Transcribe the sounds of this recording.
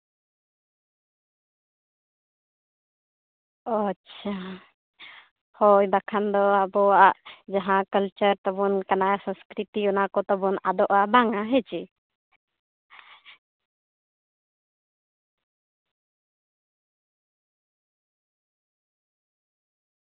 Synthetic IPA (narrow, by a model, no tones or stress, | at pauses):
ətːt͡ʃʰa | hɔjbakʰand̪ɔabɔaʔd͡ʒaɦãkəlt͡ʃəɾt̪ɔbɔnkanasə̃skɾit̪iɔnakɔt̪ɔbɔna̰d̪ɔʔabaŋaɦɛt͡ʃi